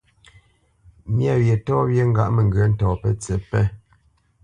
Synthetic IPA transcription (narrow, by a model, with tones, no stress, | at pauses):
mja˦˨wje˨tɔ˦βje˦ŋ̩˦ɡa̰˦ʔmɛ˨ŋɡə˨˦n̩˦tɔː˨pɛ˦t͡sɛ˨˦pɛ˦